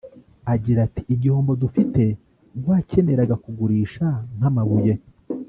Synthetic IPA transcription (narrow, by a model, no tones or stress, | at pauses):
aɟiɾati̥ːɟihoːmbo̞dufite̞ | waːce̞me̞ɾaɡakuɡuɾiːʃaŋ̥hamaβuje̞